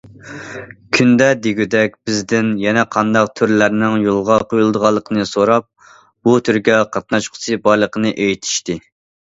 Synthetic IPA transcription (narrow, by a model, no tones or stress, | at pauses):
kʲʰynd̪ɛd̪eɡʲyd̪ɛk̚ʲb̥ɪzd̪ɪnjɛnɛqʰɑnd̪ɑq̚t̪ʰyɾlæɾnɪŋjolˠʁɑqʰojulˠd̪əʁɑlˠːəqʰənɨsoɾɑp̚ | b̥ut̪ʰyɾɡʲɛqʰɑt̪̚nɑʃqʰʊ̥sʰɨbɑɾlˠəqənɨʔejit̪ʰi̥ʃt̪ɪ